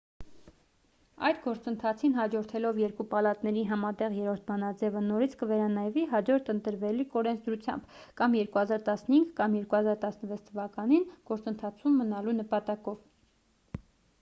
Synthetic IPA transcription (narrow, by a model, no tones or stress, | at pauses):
ɑ̰jd̪ɡɔɾt͡sənt̪ʰɑt͡sʰinɦɑd͡ʒɔɾt̪ʰɛlɔvjɛɾkupɑlɑt̪nɛɾiɦɑmɑt̪ɛʁjɛɾɔɾt̪ʰbɑnɑd͡zɛvənɔɾit͡sʰkəvɛɾɑnɑjviɦɑd͡ʒɔɾt̪ʰənt̪əɾvɛlikɔɾɛnt͡sʰd̪ɾut͡sʰjɑ̰mbkɑmjɛɾkuhɑzɑɾt̪ɑsnəhiŋɡkɑmjɛɾkuhɑzɑɾt̪ɑsnəvɛt͡sʰt̪ʰːəvɑkɑninɡ̥ɔɾt͡sənt̪ʰɑt͡sʰumːənɑlunəpɑt̪ɑkɔv